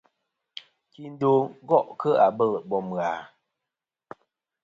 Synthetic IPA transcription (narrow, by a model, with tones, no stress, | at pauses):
ki˦˨n̩˦do˦˨˦ɡɔ˦˨ʔkə˦a˨bə˦˨lbɔ˨m˨ɣaː˨